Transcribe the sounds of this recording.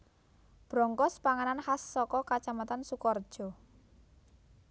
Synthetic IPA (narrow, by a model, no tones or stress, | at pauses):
b̥ɾɔŋkɔspaŋananhasːɔkɔkat͡ʃamat̪ansukɔrd̥ʒ̥ɔ̤